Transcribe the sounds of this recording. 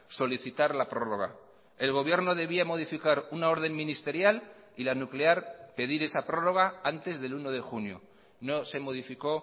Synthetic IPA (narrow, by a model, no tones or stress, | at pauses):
so̞liθit̪aɾlapɾo̞ro̞ɣ̞a̰ | e̞lɣ̞o̞β̞je̞ɾno̞ðe̞βiamo̞ð̞ifikaɾunao̞ɾð̞e̞mmĩnist̪e̞ɾjal | ilanukleaɾpe̞ðiɾe̞sapɾo̞ro̞ɣ̞aant̪e̞zðe̞luno̞ð̞e̞xunjo̰ | no̞se̞mo̞ðifiko̞